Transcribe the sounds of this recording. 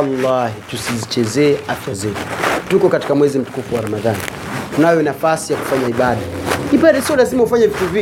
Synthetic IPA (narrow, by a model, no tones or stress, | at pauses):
alːahitusizit͡ʃɛzɛːafazɛtukɔkati̥kamwɛzim̩tu̥kufuwaɾamaðani | tunajɔnafasijaku̥faɲaiɓaɗaiɓaɗɛsiɔlazimahufaɲavituvi